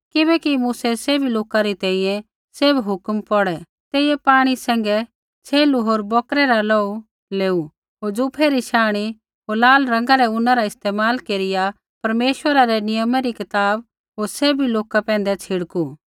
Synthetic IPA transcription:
kɪbɛkimuːsɛseːbʱiloːkaɾit̪ɛ̃ːĩjɛ̃ | sɪbɦʊkmpɔɽɛ | t̪eːijɛpaːɽ̃isɛ̃ːŋ̆ɡɛ | t͡ʃʰeːluɦoːɾbɔːkɾɛɾalɔːu | leːu | ɦoːɾd͡zupʰeɾiʃaːɽ̃i | ɦoːɾlaːlɾɐ̃ŋɡaɾɛʊnãɾaɪst̪eːmaːlkeːɾɪja | pɐɾmeːʃwəɾaɾɛnɪjəmaɾikɪt̪aːb̚ | ɦoːɾsebʱiloːkapɛ̃ːnd̪ɛt͡sʰɪɽku

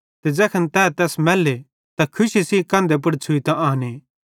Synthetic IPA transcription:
t̪ed͡ʒɛːkʰənt̪ɛːt̪ɛːsmɛːlːe | t̪akʰʊʃisikãːnd̪ep̬ɐɽt͡ʃʰʊit̪ãʔaːneː

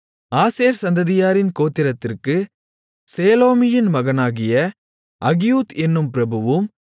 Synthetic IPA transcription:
aːseːɾsɐnd̪ɐðɪjaːɾɪnkoːt̪ːɪɾɐt̪ːɪrkɯ | seːloːmɪjɪnmɐɣɐnaːɣɪjɐ | ʔɐɣɪjuːt̪ɛnːɯmpɪɾɐbɯʋɯm

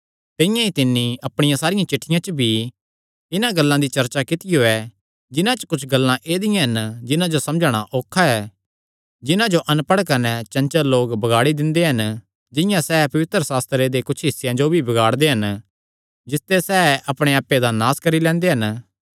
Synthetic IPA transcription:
t̪ɪ̃ɪjãit̪ɪnːiɐpɽ̃ɪjãsaːɾɪjãt͡ʃɪʈʰːɪjãt͡ʃəbʱi | ɪnãɡɐlːãd̪it͡ʃɐɾt͡ʃakɪt̪ɪjoɛ | d͡ʒɪnãt͡ʃə̥kʊt͡ʃʰɡɐlːãʔeːd̪ɪjãɦɐnd͡ʒɪnãd͡ʒosɐ̃md͡ʒaɽ̃aʔoːkʰːaɛ | d͡ʒɪnãd͡ʒoʔɐ̃npɐɽkɐnɛt͡ʃɐ̃nt͡ʃəloːɡbɐɡaːɽid̪ɪ̃nd̪eɦɐn | d͡ʒɪ̃jãsɛːpɐʋɪt̪ɾəsaːst̪ɾed̪ekʊt͡ʃʰɦɪsːjãd͡ʒobʱibɐɡaːɽd̪eɦɐn | d͡ʒɪst̪esɛːɐpɽ̃ẽaːpːed̪anaːskɐɾilɛ̃ːnd̪eɦɐn

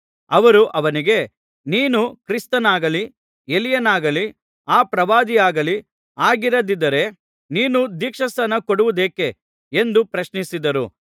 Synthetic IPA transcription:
ɐʋɐɾuʔɐʋɐniɡe̞ | niːnukɾist̪ɐnaːɡɐli | elijɐnaːɡɐli | aːpɾɐʋaːd̪ijaːɡɐli | aːɡiɾɐd̪id̪ɐɾe̞ | niːnud̪iːkʂɐsɐnɐkoɽuʋud̪eːke̞ | end̪upɾɐʃnisid̪ɐɾṵ

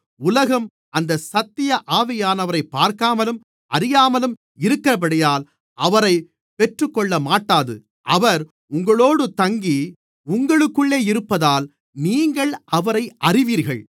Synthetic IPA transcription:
ʊlɐɣɐm | ɐnd̪ɐsɐt̪ːɪjɐʔaːʋɪjaːnɐʋɐɾɐɪpːaːɾkaːmɐlɯm | ʔɐɾɪjaːmɐlɯm | ɪɾɯkːɪɾɐp̬ɐɽɐjaːl | ʔɐʋɐɾɐɪ | pɛʈrɯkːɔɭːɐmaːʈːaːðɯ̰ | ʔɐʋɐɾ | ʊŋɡɐɭoːɽɯt̪ɐŋɡi | ʊŋɡɐɭɯkːɯɭːeːɪɾɯpːɐðaːl | niːŋɡɐɭʔɐʋɐɾɐɪʔɐrɪʋiːɾɣɐɭ

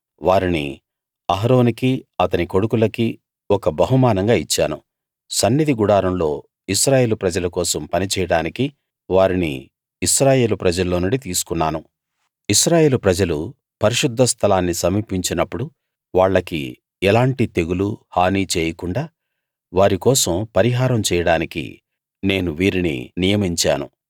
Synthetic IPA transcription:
ʋaːɾinḭ | ɐɦɾo̞ːnikiɐt̪ɐniko̞ɽukulɐki | ɔkɐbɐɦumaːnɐŋɡaːit͡ʃːaːnu | sɐnːid̪ʱiɡuɽaːɾɐmlo̞ː | iʃɾaːje̞ːlupɾɐd͡ʒɐlɐkɔːsɐmpɐnit͡ʃɛjɐɽaːniki | ʋaːɾinḭː | ʃɾaːje̞ːlupɾɐd͡ʒɐlːoːnuɳɖit̪iːsu̥kunːaːnu | iʃɾaːje̞ːlupɾɐd͡ʒɐlu | pɐɾiʃud̪ʱːɐst̪ʰɐlaːnːisɐmiːpiɲt͡ʃinɐpːuɽu | ʋaːɭːɐkḭ | ɛlaːɳʈit̪e̞ɡuluhaːniːt͡ʃeːjɐkuɳɖaː | ʋaːɾikɔːsɐmpɐɾiɦaːɾɐmt͡ʃɛːjɐɽaːnikḭ | ne̞ːnuʋiːɾinḭnijɐmiɲt͡ʃa̰ːnu

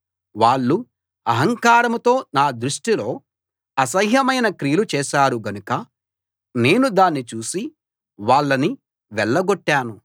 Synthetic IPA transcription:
ʋaːɭːu | ɐɦɐŋkaːɾɐmt̪o̞ːnaːd̪ɾuʂʈilo̞ː | ɐsɐjɦjɐmɐjnɐkɾijlut͡ʃɛːʃaːɾuɡɐnukɐ | ne̞ːnud̪aːnːit͡ʃuːsi | ʋaːɭːɐni | ʋɛɭːɐɡoʈːaːnu

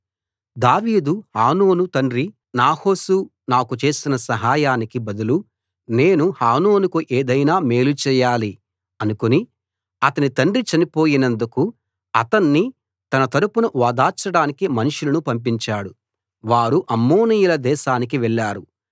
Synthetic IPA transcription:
d̪aːʋiːd̪uhaːno̞ːnut̪ɐɳɖɾi | naːho̞ːsu | naːkut͡ʃe̞ːsinɐsɐɦaːjaːnikibɐd̪ulu | ne̞ːnuhaːno̞ːnukuʔeːd̪ɐjnaːme̞ːlut͡ʃɛːjaːli | ɐnukoni | ɐt̪ɐnit̪ɐɳɖrit͡ʃɐnipo̞ːjinɐnd̪uku | ɐt̪ɐnːi | t̪ɐnɐt̪ɐɾupunuʋaːd̪aːt͡ʃːɐɽaːnikimɐnuʂulɐnupɐmp̬iɲt͡ʃaːɽu | ʋaːɾuʔɐmːoːnijulɐd̪ɛːʃaːnik̬iʋɛɭːaːɾu

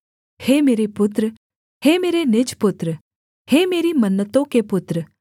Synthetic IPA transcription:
heːmeːɾepʊt̪ɾə | heːmeːɾenɪd͡ʒpʊt̪ɾə | heːmeːɾimənːət̪õkepʊt̪ɾə

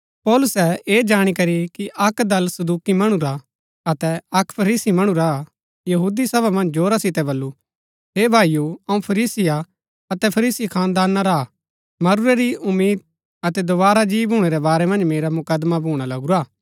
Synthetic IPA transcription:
pɔːlʊsɛeːd͡ʒaːɽ̃ikɐɾikiʔɐkd̪ɐlsɐd̪uːkimɐɽ̃uɾa | ɐt̪ɛɐkpʰɐɾiːsimɐɽ̃uɾa | jɐɦuːd̪isɐbʱamɐ̃nd͡ʒd͡ʒoːɾasɪt̪ɛbɐlːu | ɦeːbʱaːijuɐũpʰɐɾiːsɪja | ɐt̪ɛpʰɐɾiːsikʰãːnd̪aːnːaɾa | mɐɾʊɾɛɾiʔʊmːiːd̪̚ | ɐt̪ɛd̪oβaːɾad͡ʒiːbɦuːɽ̃eɾɛbaːɾɛmɐ̃nd͡ʒmeːɾamʊkəd̪mabʱuːɽ̃alɐɡuɾaː

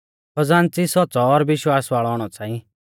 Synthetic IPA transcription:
pɐd͡zaːnt͡sisɔt͡sɔːɾʋɪʃwaːsʋaːɭɔɔːɽ̃ɔt͡sãːĩ

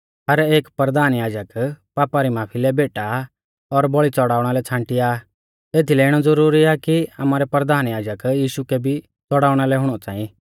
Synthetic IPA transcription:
ɦɐɾeːkpɾəd̪aːnjaːd͡ʒəkpaːpaɾimaːpʰilɛbeːʈa | ɔɾbɔɭit͡sɔɽaːʊɽ̃alɛt͡sʰãːɳʈɪja | eːt̪ʰilɛɪɽ̃ɔd͡zɐɾuːɾiakia̰maːɾɛpɾəd̪aːnjaːd͡ʒəkjiːʃukɛbʱi | t͡sɔɽaːʊɽ̃alɛɦʊɽ̃ɔt͡sã̰ːĩ

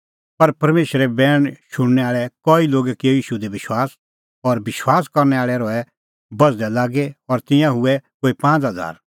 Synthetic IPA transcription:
pɐɾpɐɾmeːʃɾebɛːɽ̃ʃʊɽ̃nɛaːɭɛkɔːiloːɡɛkiojiːʃud̪ebɪʃwaːs | ɔːɾbɪʃwaːskɐɾnɛaːɭɛɾɔɛ | bɐd͡zd̪ɛlaːɡeɔɾt̪ɪ̃jãɦʊɛkoːipãːt͡sɦɐd͡za̰ːɾ

